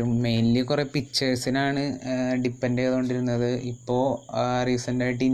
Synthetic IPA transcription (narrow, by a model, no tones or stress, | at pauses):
umejnlikurepit͡ɕːɐrsinaːɳɨɖipːɐndeːðoɳɖiɾunːɐðɨʔipːo̞ːrisɐndaːjiʈ̬ːi